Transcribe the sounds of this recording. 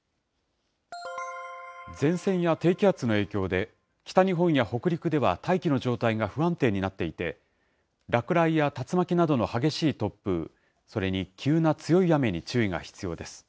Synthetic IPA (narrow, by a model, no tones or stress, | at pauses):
d͡zẽ̞ɰ̃sẽ̞ɰ̃jat̪e̞ːkʲiat͡sɨno̞e̞ːkʲo̞ːd̪e̞ | kʲi̥t̪aɲ̟iɦõ̞ɰ̃jaho̞kɯ̟ɾʲikɯ̟d̪e̞βa̰t̪aikʲino̞ʑo̞ːt̪aiɡaɸɯ̟βãnt̪e̞ːɲ̟inat̪ːe̞it̪e̞ | ɾakɯ̟ɾaijat̪at͡sɨmakʲinad̪o̞no̞haɡe̞ɕiːt̪o̞pːɯ̰ | so̞ɾe̞ɲ̟ikʲʰɨːnat͡sɨjo̞ijame̞ɲ̟it͡ɕɨːiɡa̰çi̥t͡sɨjo̞ːd̪e̞sɨ̥